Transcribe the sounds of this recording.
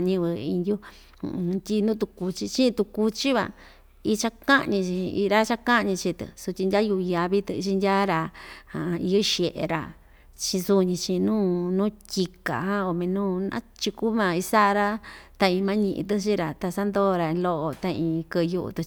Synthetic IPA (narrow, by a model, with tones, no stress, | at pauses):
ɲĩ˧βɨ˧ḭ˧ndʲṵ˦˧˨ | t̪ʲi˧nũː˦t̪̬u˧ku˧t͡ʃi˧t͡ʃĩ˦˧t̪u˧ku˧t͡ʃi˦βa̰˧ | i˧t͡ʃa˦kã˦ʔɲĩ˧t͡ʃĩ˧ḭ˧ɾa˦t͡ʃa˦kã˦˧ɲĩ˧t͡ʃi˧t̪ɨ̰˨su˧tʲi˧ndʲa˦ju˧ja˧βi˦t̪ɨ˧t͡ʃi˧ndʲa˦ɾa˧hã˨˧i˧u˦ʃje˨ʔḛ˧ɾa̰˧ | t͡ʃĩ˧su˦˧ɲĩ˧t͡ʃĩ˧nũː˦nũ˦tʲi˧ka̰˨ɦã˦o˧mĩ˧nũː˦nã̰˦t͡ʃi˧ku˦mã˧˨i˧sa˦ʔɾa˦t̪a˧ĩ˧mã˦ɲĩ˧ʔḭ̃˧t̪̬ɨ˦t͡ʃ̬i˦ɾa˨t̪a˧sa˦nd̪o˦˧ɾa˧ĩ˧lo˦ʔo˧t̪a˧ĩ˧kɨ˧ju˧ʔṵ˧t̪u˧